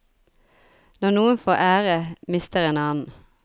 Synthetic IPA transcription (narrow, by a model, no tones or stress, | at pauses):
nɔnuːənfoːʔæːʁəmɪst̪əʁeːnɑːnn̩